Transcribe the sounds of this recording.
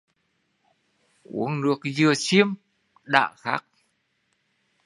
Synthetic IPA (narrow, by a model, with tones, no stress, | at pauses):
ʔṵ˧˦əŋnɨ˦˥ək̚zɨ˨˩ət͡ɕi˧əm | ɗa̰ː˧˨xaː˦˥k̚